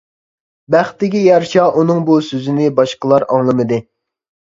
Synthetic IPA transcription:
bæχt̪ːɪkʲijɑɾʃɑʔunɨŋbusøzɪnɪbɑʃqəlˠɑɾɑŋlˠɨmɨd̪ɨ

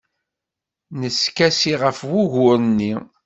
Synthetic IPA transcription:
nəskæsiʁəfwuʝʊɾənːi

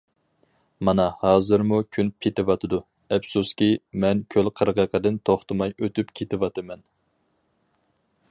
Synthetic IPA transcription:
mɑnɑhɑːzɨɾmukʲʰynpʰit̪ɪwɑt̪ʰɨd̪u | ɛpsuskʲimɛnkʲʰølqʰəɾʁəqʰəd̪ɪnt̪ʰoχt̪ʰɨmɑjøt̪ypkʲʰet̪ɪwɑt̪ʰɨmɛn

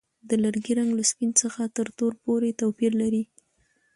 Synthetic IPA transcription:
d̪əlaɾɡiɾaŋɡlaspinsəxat̪əɾt̪oɾpoɾet̪awpiɾlaɾi

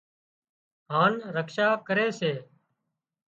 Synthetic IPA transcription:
ɦaːnɾəkʃaːkəɾeːseː

